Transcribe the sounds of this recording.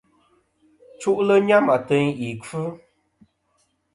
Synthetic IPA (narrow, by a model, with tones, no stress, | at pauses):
t͡ʃu˦ʔlə˦ɲa˦ma˨tə˦ŋi˨kɨ˦